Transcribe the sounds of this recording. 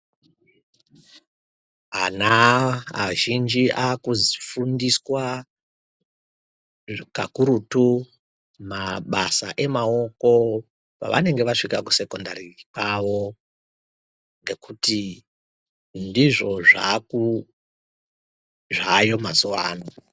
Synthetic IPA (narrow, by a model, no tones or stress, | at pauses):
ɦanaaʒind͡ʒiʔakuzifundiswa | kakuɾutu | maɓasa̰ʔe̞mao̞ko̞ | pa̰ʋa̰ne̞ŋɡe̞ʋaʂikaku̥se̞kondarikwaʋo̞ | ŋɡe̞kʰuti | ndiʐo̞ʐaku | ʐajo̞mazuʋaːno